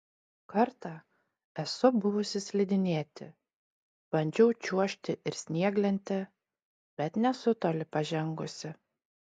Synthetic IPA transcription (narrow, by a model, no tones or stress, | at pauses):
kɐɾt̪ɑː | ɛsʊbʊʋʊsʲɪsʲlʲɪd̪ʲɪnʲeːt̪ʲɪ | b̥ɐnʲd͡ʒʲɛʊt͡ʃʲuɔʃʲt̪ʲɪʔɪɾsʲnʲiɛɡlʲɛnʲt̪ʲɪ | b̥ʲɛt̪nʲɛsʊt̪oːlʲɪpɐʒʲɛŋɡʊsʲɪ